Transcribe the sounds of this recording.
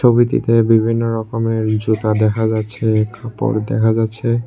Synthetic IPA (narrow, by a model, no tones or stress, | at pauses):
obit̪ḭt̪ebibʱinːoɾɔkomeɾd͡ʑut̪ad̪ɛkʰad͡ʑatːɕʰekʰapo̰ɾd̪ɛ̰kʰad͡ʑatːɕʰe